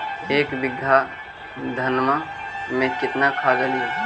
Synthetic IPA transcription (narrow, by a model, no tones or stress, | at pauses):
eːkbɪɡʱa | d̪ʱənmamẽkɪt̪nakʰaːɡəlje